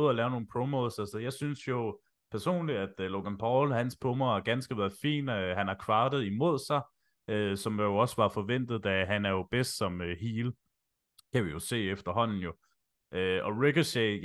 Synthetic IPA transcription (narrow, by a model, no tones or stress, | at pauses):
ð̩ˠælɛːʊno̝ːn̩pʰʁomoðˠsælsɒjɑ̈ɪsynsjo̝ | pʰæɐso̝̰ːnliæd̥lo̝ɡ̥ænpʰɒʊlhænspʰɔmɐæɐɡ̥ænsɡ̥əʋæɐðˠfḭːnhænɑ̈kʰʋɑ̈ːd̥ð̩ˠimo̝ð̰ˠsɑ̈ɪ | ʔøsɒ̽mjjoɒ̽səʋɑ̈fɒ̽ʋen̰d̥ð̩ˠd̥æɦænæɐjo̝b̥esd̥sɒ̽møhiːl | kʰæʋijo̝se̝̰ːefd̥ɐɦɒ̽n̰n̩jo̝ | ʔøɒ̽ʁeɡ̥ɐse